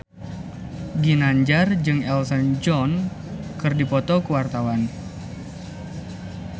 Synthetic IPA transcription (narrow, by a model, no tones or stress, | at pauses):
ɡinaɲd͡ʒard͡ʒɨŋɛlsənd͡ʒɔn | kɨrdipɔt̪ɔkəwart̪awan